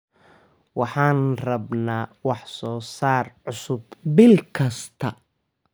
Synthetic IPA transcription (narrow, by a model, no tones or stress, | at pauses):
wɑħɑːnrɐbnaːwɑħsɔːsaːrʕʊsʊbbɪlkʰɐst̪ʰɐ